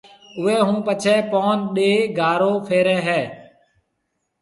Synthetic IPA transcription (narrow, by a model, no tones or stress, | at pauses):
ʊeːɦũːpət͡ʃʰɛːpoːnɗeːɡʱaːɾoːpʰeːɾɛːɦɛː